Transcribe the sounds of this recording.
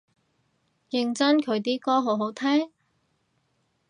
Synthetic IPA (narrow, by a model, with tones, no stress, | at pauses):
jɪ˧ŋt͡sɐ˥nkʰɵ˨˧ɥt̪iː˥kɔː˥ɦo˨˥wɦo˨˥wt̪ʰɛː˥ŋ